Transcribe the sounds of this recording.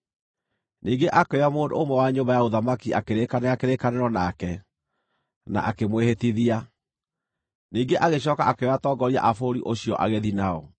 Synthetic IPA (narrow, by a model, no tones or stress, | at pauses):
niːŋɡeʔakɛamoːndo̰omwɛwaɲoːmbajaoðamakiʔakeɾekaneakeɾekaneɾɔnakɛ | na̰ʔakemwehetiðia | niːŋɡeʔaɣeɕ̬ɔːkaʔakeatɔːɡɔɾia̰ʔafoɾḭʔoɕijɔʔa̰ɣeðinaɔ